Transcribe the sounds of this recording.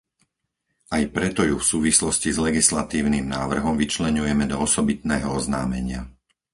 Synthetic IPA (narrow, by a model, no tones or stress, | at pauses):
ajpɾɛt̪ɔjufsuːʋislɔscizlɛɡislat̪iːʊnimnaːʋr̩ɦɔmʋit͡ʃlɛɲujɛmɛd̪ɔɔsɔbit̪nɛːɦɔɔznaːmɛɲɪa